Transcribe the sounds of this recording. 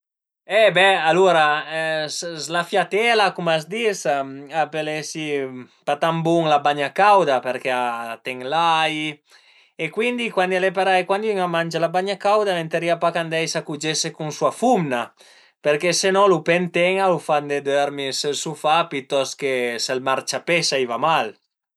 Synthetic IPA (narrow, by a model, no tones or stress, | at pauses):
ɛbɛaluɾaszlafjat̪ɛlakumasd̪isaapelesi | pat̪ambuŋlabaɲakawd̪apeɾkeat̪ɛŋlaj | ekwind̪ikwand̪ialepaɾaekwand̪yŋamand͡ʒalabaɲakawd̪ament̪eɾiapakand̪ɛjsakud͡ʒesekuŋsuafumna | peɾkesenɔlupent̪ɛŋalufand̪ed̪øɾmiselsufapit̪ɔskeselmaɾt͡ʃapesaivamal